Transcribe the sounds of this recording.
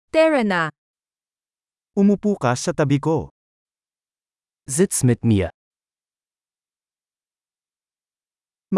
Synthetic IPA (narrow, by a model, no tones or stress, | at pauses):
t̪ɛɾɐna | umupukasɐt̪ɐbiko | zɪt̪smɪt̪̚nija̰ | m